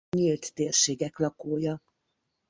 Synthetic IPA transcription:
ɲilt̪ːeːrʃeːɡɛklɒkoːjɒ

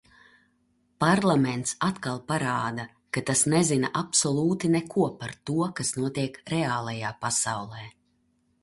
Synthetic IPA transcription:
paɾlˠamɛnt̪sat̪kalˠpaɾaːd̪a | kat̪asnɛzinaʔapsɔlˠuːt̪inɛkuɔpaɾt̪uɔkasnuɔt̪iɛkɾɛaːlˠajaːpasawlˠɛː

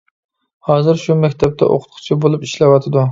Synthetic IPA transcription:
hɑːzɨɾʃumɛkʲt̪ʰɛp̚t̪ʰɛ̰ʔo̰qʰʊ̥t̪̚qʰʊ̥t͡ʃʰibolˠupiʃlɛwɑt̪ʰɨd̪u

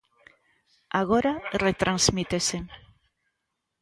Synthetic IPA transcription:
aɣoɾaret̪ɾʔanzmit̪esen

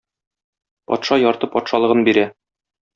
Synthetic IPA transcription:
pɒ̰t̪ʃɑjɒɾt̪ɤpɒt̪ʃɑlˠɤ̆ʁɤnbiɾæ

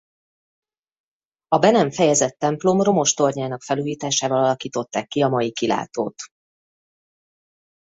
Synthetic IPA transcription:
ɒbɛnɛɱfɛjɛzɛt̪ːɛmplo̞mro̞mo̞ʃt̪o̞rɲaːnɒkfɛluːjiːt̪aːʃaːvɒlɒlɒkiːt̪o̞t̪ːaːkːiɒmɒjikila̰ːt̪oːt̪

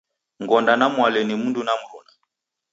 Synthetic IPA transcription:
ŋɡɔndanamwalɛnimundunamuɾuna

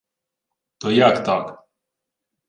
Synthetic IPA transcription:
t̪ɔjakt̪ak

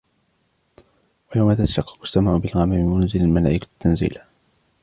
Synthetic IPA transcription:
wajawmat̪at̪aʃɑqːɑ̥qʊ̥st̪amaːʔʊbɪlɣamamɪmmːʊnzɪlalmala̰ːʔɪkḁt̪ːanzḭːl

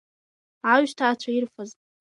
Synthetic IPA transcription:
ʕaɥʒtʰaːt͡ʃʷʰaɪrfaz

